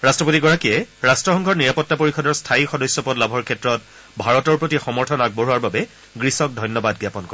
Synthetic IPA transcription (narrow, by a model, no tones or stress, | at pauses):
ɹastɹɔpotiɡɔɹakiɛɹastɹɔxɔŋɡʱɔɹniɹapɔtːapoɹixɔdɔɹstʰaixɔdɔsjɔpɔtlabʱɔɹkʰɛtɹɔt | bʱaɹɔtɔɹpɹotixɔmɔɹtʰɔnaɡ̚boɦuaɹbabɛ | ɡɹisɔk̚dʱɔjnːɔbadɡjapɔnkɔɹɛ